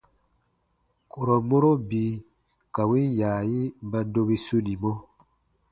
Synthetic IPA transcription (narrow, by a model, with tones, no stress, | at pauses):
ku˨ɾɔ˨mo˦ɾo˦bi˨˦ | ka˨wĩ˦jaː˨ji˦ba˦do˦be˦su˦ni˨mɔ˦